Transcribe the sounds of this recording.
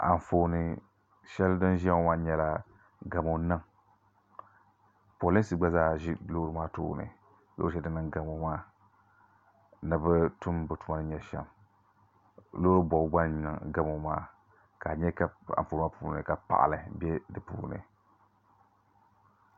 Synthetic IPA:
ʔa̰˨ɱ˨foː˨nɨ˨ | ʃɛ˦ldɨ˦n˦ʒa˦ŋ˦ma˦ɲɛ˨la˨ | ɡa˨mo˨˦nɨ˦ŋ | po˨li˦n˦si˦ɡ͡ba˦zaː˦ʒɪ˦loː˦ɾɨ˦maː˦to̰˦˨nɨ̰˨ | lo̰˦ɛ˦dɨ˦nɨ˦ŋɡa˨mo˦maː˦ | nɨ˨bɨ˦tu˦mbɨ˨tu˨ma˦˨nɨ˦ɲɛ˨ʃɛ̰˦m | loː˦ɨ˦bɔ˨˦ɡ͡ba˦nnɨ˨ŋɡa˦mo˦maː˦ | ka˨ɲɛ˦ka˨a̰˨nfoː˨˦ma˦puː˨˦nɨ̰˨ka˨pa̰˨ʔa̰˨lɨ˨bɛ˦dɨ˨pṵː˦˨nɨ̰˨

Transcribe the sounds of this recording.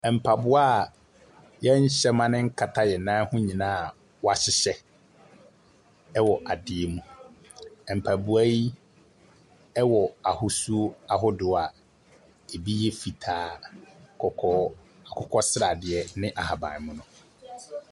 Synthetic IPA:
ɛ˨m̩˨pʰa˨bʊ˦a˦˨ | jɛ˦ɲ̩˦ɕɛ˦mã˦nɪ̃˦ŋ̩˦kʰa˨tʰa˦jɛ˨nãː˦hʊ̃˦ɲĩ˨nãː˦a˨ | wɔ˦a˨ɕɪ˦ɕɛ˦ | wɔ˨ʔa˨dɪ˨ɛ˨mũ˨ | ɛ˨m̩˨pʰa˨bu˨æ˦ji˦ | ɛ˦wɔ˨a˨hʊ˦su˦a˦˨ɦʊ˦dʊ˨a˨ | e˨bi˦jɛ˦fi˨tʰaː˨˦kɔ˨ɔ˦ | a˨kʰɔ˦kʰɔ˦sɾa˨dɪ˨ɛ˨nɪ̃˦ʔa˨ha˨bã̰˨mʊ̃˦nʊ̃˨

